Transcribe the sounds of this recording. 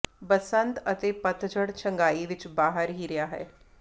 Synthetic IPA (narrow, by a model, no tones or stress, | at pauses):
bəsə̃nt̪ɐt̪epɐt̪d͡ʒəɽt͡ʃʰɐ̃ŋɡaːiʋɪt͡ʃbaːɦəɾɦiɾɐjaɦɛ̰ː